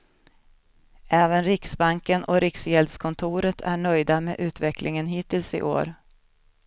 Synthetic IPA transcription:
ʔɛːvənɾɪksbaŋkənʔɔ̰ɾɪksjɛld̪skʰɔnt̪ʰuːɾət̪ʰæɳœjd̪amḛːʔʉ̟ːt̪vɛklʔɪŋənɦiːt̪ɪlsɪ̰ʔo̰ːɾ

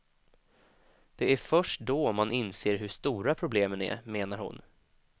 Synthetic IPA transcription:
d̪̥ɛæɾfœʂʈd̪ɔmanʔɪnseːɾɦɵʂt̪uːɾapʰɾʊbleːmənæ̰ɾmeːnaɾhʊ̰n

